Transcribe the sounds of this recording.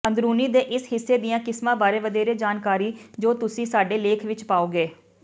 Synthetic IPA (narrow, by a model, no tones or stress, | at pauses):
ə̃nd̪ɾuːniːd̪eːʔɪsɦɪsːeːd̪ɪjãːkɪsmãːbaːɾeːʋəd̪eːɾeːd͡ʒaːnkaːɾiːd͡ʒoːt̪ʊsĩːsaːɖeːleːkʰʋɪt͡ʃpaːoːɡeː